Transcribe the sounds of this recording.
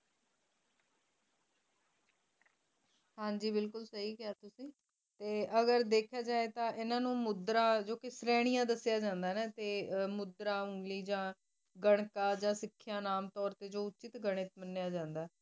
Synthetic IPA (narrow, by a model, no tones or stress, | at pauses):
hãːɲd͡ʒiːbɪlkʊlsəɦiːkaːt̪ʊsĩː | t̪eːʔəɡəɾd̪eːkʰjaːd͡ʒaːeːt̪ãːʔɪnãːnũːmʊd̪ɾãːd͡ʒoːkɪsɾɛːɽ̃ɪjãːd̪əsɪjaːd͡ʒãːnd̪aːnãːt̪eːmʊd̪ɾaːʊŋɡliːd͡ʒãː | ɡəɽ̃kaːd͡ʒãːsɪkʰːjaːnaːmt̪ɔːɾt̪eːd͡ʒoːʊtːt͡ʃɪt̪ɡəɽ̃ɪt̪mənːejaːd͡ʒãːnd̪aː